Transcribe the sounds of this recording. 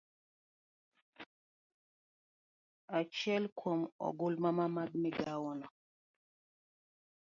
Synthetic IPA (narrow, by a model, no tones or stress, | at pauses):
at͡ʃɛlkʰwɔmɔ̰ɡulmamamad̚miɡawɔna